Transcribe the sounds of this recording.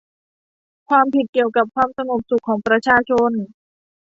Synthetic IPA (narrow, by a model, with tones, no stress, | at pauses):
kʰwaː˧mpi˨˩t̪̚ki˨˩əwka˨˩p̚kʰwaː˧msa˧ŋu˨˩p̚su˨˩kʰːɔː˩˦ŋpɾa˧t͡ɕʰaː˧t͡ɕʰo˧˥n